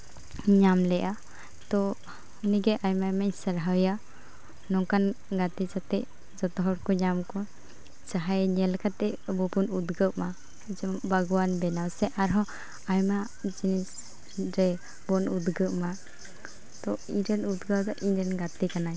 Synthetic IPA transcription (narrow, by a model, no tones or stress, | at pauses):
ɲamlɛʔa | t̪ɔ | uniɡɛʔajmamaɲsəɾɦawja | nɔŋkan | ɡat̪it͡ʃat̪ɛʔ | d͡ʒɔt̪ɔɦɔɽkɔɲamkɔ | t͡ʃaɦajɲɛlkʰat̪ɛbɔpɔnud̪ɡəʔ̚ma | d͡ʒɔbaɡɔwanbɛnawsɛʔaɾɦɔ | ajma | d͡ʒinis | ɾɛ | bɔnud̪ɡəʔma | t̪ɔiɾɛnud̪ɡəwd̪ɔʔiɲɾɛnɡat̪ikanaj